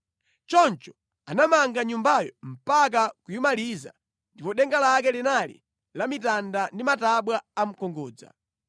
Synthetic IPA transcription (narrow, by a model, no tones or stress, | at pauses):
t͡ʃɔnt͡ʃɔ̥ | anamaŋɡaɲumbajɔ̰m̩pak̬akujumaliza̰ | ndipɔɗɛŋɡalak̬ɛlinalḭ | lamitandandimataɓwaːm̩kɔŋɡɔːd͡za̰